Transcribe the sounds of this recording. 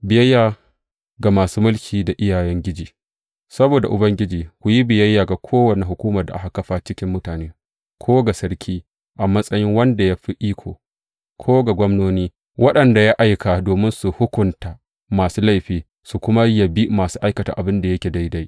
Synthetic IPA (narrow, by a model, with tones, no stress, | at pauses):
bɪ˨jɐ˦jːaː˨ | ɡa˨maː˨suː˦mʊ˦lkʲʰiː˨da˨ʔɪ˦jaː˨jɛ˦ŋɡʲɪ˦d͡ʒiː˨ | sɐ˦boː˨da̰˨ʔʊ˨bɐ˦ŋɡʲɪ˦d͡ʒiː˨kʷʊ˨ji˦bɪ˨jɐ˦jːaː˨ɡa˨kʷʰoː˦wɐ˨ni˨ɦʊ˨kʷuː˦mɐ˨rda˨ʔa̰˦ha˨kɐ˦ɸaː˨t͡ʃɪ˦kʲɪ˦mːʊ˦taː˨neː˦ | kʷʰoː˦ɡa˨sɐ˦ɾkʲʰiː˦ | ʔa˨mɐ˦sʼɐ˦jɪ˦ŋwɐ˦nda˨ja˦ɸi˦ʔiː˦kʷʰo̰ː˨ | kʷʰoː˦ɡa˨ɡʷɔ˦mnoː˦niː˦ | wɐ˦ɗɐ˨nda˨ja˦ʔa˦jkʰa˨doː˨mɪ˦nsu˨hʊ˦kʷʊ˨nta˨ | maː˨suː˦la˦˨jɸiː˦ | su˨kʷʊ˦ma˦ja˦˨bi˦maː˨su̥ː˦ʔa˦jkɐ˨ta̰˨ʔa˨bɪ˦nda˨jɐ˦kʲeː˨da˦jda˦j